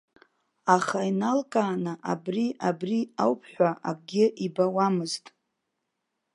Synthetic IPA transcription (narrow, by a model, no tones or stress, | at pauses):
aχainalkʼaːnaʔabriʔabriawpʰħʷaʔakʼɡʲɪʔibawamɨztʼ